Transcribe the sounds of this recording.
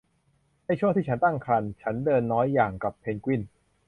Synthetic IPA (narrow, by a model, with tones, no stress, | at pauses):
na˥˩t͡ɕʰu˥˩ŋt̪iː˥˩a˦nt̪a˥˩ŋkʰɾa˧nt͡ɕʰa˦˥ndɤː˧nːɔː˦˥jːaː˨˩ŋka˨˩pʰːe˧nkwi˥˩n